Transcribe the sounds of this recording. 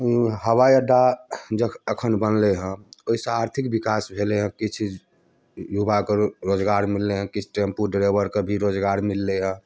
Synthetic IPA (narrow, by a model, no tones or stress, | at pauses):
ɦəwajəɖad͡ʒəkəkʰənbənleɦə̃oisə̃aɾt̪ʰikbikasbʱeleɦə̃kit͡ʃʰ | jubakeɾod͡ʒɡaɾmilːeɦə̃kit͡ʃʰʈempuɖɾebəɾkebʱiɾod͡ʒɡaɾmilːeɦə̃